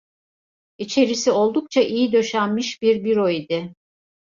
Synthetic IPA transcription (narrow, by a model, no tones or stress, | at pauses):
it͡ʃʰe̞ɾisio̞lˠd̪uk̚t͡ʃʰaʔijid̪ø̞ʃænmiʃbiɾbiɾoid̪ɪ